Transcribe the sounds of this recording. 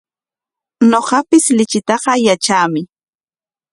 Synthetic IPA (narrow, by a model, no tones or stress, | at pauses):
noɢɑpɪslɪt͡ʃɪt̪ɑɢɑjat͡ʃaːmɪ